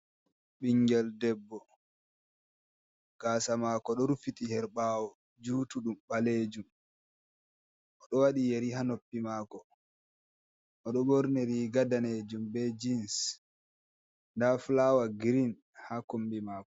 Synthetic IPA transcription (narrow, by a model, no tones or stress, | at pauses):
ɓiŋɡɛldɛbːɔ | ɡ̥aːsamaːkɔɗɔɾufitihɛɾɓawɔ | d͡ʒuːtuɗumɓaleːd͡ʒum | ʔɔɗɔwaɗijeɾiɦanopːimakɔ | ʔɔɗɔbɔɾneɾiɡadaned͡ʒumbɛd͡ʒins | ndaflawaɡiɾin | hakombimaːkɔ̥